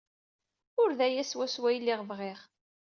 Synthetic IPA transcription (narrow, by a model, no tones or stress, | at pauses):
ʊɾðæjæswæswæjlːiʁvʁiχ